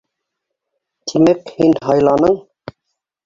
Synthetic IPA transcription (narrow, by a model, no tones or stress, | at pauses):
t̪ʰimɘkhinɦɑjlˠɑnɤɴ